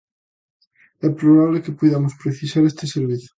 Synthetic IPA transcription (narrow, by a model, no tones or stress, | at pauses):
ɛpɾoβaβlekɪpujðamʊspɾeθisaɾest̪eseɾβiθo̥